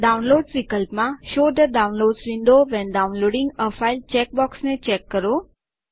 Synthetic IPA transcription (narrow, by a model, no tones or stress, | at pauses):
ɖaũnloːɖsʋikəlpmãʃod̪əɖaʊ̃nloɖsʋĩnɖ̪oʋɛ̃nɖaũnloɖĩŋɡəfailt͡ʃɛk̚bɔksnet͡ʃɛkːəɾo